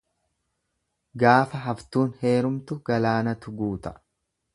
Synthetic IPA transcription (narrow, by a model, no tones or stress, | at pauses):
ɡaːfɐɦɐft̪uːnhe̞ːɾʊmt̪ʊɡ̥ɐlaːnɐt̪ʊɡuːt̪ɐ̥